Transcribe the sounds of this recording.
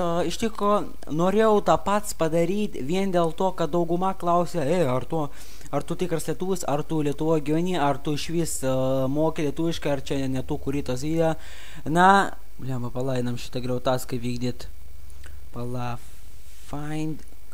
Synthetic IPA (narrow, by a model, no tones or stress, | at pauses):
ɪʃt̪ʲɪkɾoː | noːɾʲeːjɛʊt̪ɐpɐt̪spɐd̪ɐɾʲiːt̪ʲʋʲiɛnd̪ʲeːlˠt̪oːkɐt̪̚d̪ɐʊɡʊmɐklˠɐʊsʲeɛɐrt̪uː | ɐrt̪ʊt̪ʲɪkrɐsʲlʲiɛt̪uːʋʊsɐrt̪uːlʲiɛt̪ʊʋoːsɡʲɪʋʲɛnʲiːɐrt̪ʊɪʃʲʋʲiːsmoːkʲɪlʲiɛt̪uːʋʲɪʃkɐɪɐrt͡ʃʲɛnʲɛt̪uːkʊɾʲiːt̪oːs̬ʲʋʲiːd̪ʲɛjɐ | nɐ | lʲimɐpɐlˠɐɪnɐmʃʲɪ̥t̪ɐɡɾʲɛʊt̪ɑːskɐɪpʋʲiːɡd̪ʲiːt̪ | pɐlˠɑ | fɐɪnʲd̪